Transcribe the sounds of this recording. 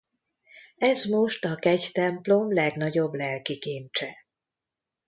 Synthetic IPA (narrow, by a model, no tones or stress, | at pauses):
ɛzmo̞ʃt̪ɒkɛɟt̪ɛmplo̞mlɛɡnɒɟo̞blɛlkikiːnt͡ʃɛ